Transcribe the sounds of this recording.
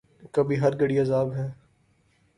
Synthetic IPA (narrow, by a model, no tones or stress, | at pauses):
kɐbʱiɦɐɾɡəɽiɐzaːbɦɛː